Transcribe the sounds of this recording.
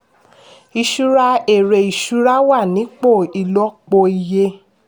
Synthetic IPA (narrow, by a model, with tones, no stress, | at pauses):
i˧ʃu˧ɾa˧e˨ɾe˨i˨ʃu˨˦ɾa˦wa˦˨nĩ˨˦k͡po˦˨i˧lɔ˦k͡po˧i˧je˧